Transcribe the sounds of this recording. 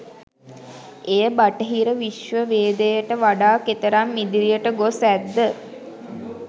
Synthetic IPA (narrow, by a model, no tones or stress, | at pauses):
ejəbaʈəɦiɾəʋiʃʋəʋeːd̪əjəʈəʋaɖaːket̪əɾamːid̪iɾijəʈəɡosæd̪ːə